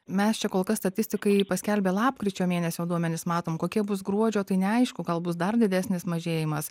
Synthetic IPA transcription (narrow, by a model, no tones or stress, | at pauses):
mʲɛst͡ʃʲɛkoːlˠkɐsst̪ɐt̪ʲɪsʲt̪ʲɪkɐɪpɐsʲkʲɛlʲbʲeːlˠɑːpkɾʲɪt͡ʃʲoːmʲeːnʲɛsʲoːd̪uɔmʲɛnʲɪsmɑːt̪oːmkoːkʲiɛbʊsɡɾuɔd͡ʒʲoːt̪ɐɪnʲɛɐɪʃkʊɡɐlˠbʊsd̪ɐrd̪ʲɪd̪ʲæsʲnʲɪsmɐʒʲeːjɪmɐs